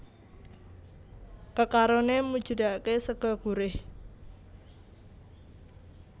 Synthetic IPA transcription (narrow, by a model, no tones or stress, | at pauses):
kəkaɾonemud̥ʒ̥ə̤daʔkesəɡ̥ɔɡ̥uɾɪh